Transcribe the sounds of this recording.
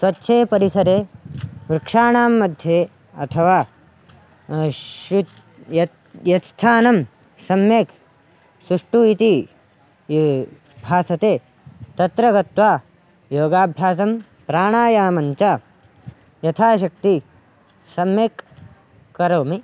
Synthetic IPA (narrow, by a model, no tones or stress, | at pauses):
sʋɐtːʃʰeːpɐɾisɐɾeːʋɾɪkʂaːɳaːmːɐd̪ʱjeː | ɐt̪ʰɐʋaː | jɐt̪st̪ʰaːnɐm | sɐmjeːk | suʂʈuit̪i | bʱaːsɐt̪eː | t̪ɐt̪ɾɐɡɐt̪ʋaː | joːɡaːbʱjaːsɐm | pɾaːɳaːjaːmɐɲt͡ʃa | jɐt̪ʰaːʃ̬ɐk̚t̪i | sɐmjeːk | kːɐɾoːmi